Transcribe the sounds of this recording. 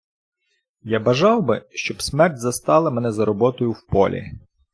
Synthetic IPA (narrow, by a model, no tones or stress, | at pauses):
jabɐʒɑwbɪʃt͡ʃɔbsmɛrtʲzɐst̪ɑlˠɐmɛnɛzɐɾɔbɔt̪ɔjʊwpɔlʲḭ